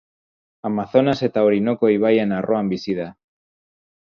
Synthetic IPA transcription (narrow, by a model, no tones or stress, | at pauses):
amaθo̞nase̞t̪aoɾinokoiβ̞ajenarʔoambisiða